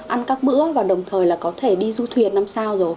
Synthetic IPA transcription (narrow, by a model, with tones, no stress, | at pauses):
ʔa˧nkaː˦˥k̚ɓɨ̰˧˥əvaː˨˩ɗə˨˩wŋ͡mt̪ʰəː˨˩jlaː˨˩kɔ˨˦t̪ʰe˧˩ɗi˧zu˧t̪ʰwi˨˩ənːa˧msaː˧wzo˨˩j